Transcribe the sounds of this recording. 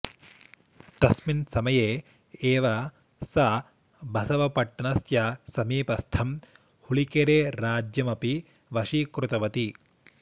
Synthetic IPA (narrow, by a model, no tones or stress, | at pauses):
t̪ɐsminsɐmɐjeː | eːʋɐ | sɐ | bʱɐsɐʋɐpɐʈːɐɳɐsjɐsɐmiːpɐst̪ʰɐm | huɭikeɾeːɾaːd͡ʒjɐmɐpi | ʋɐʂikɾut̪ɐʋɐt̪i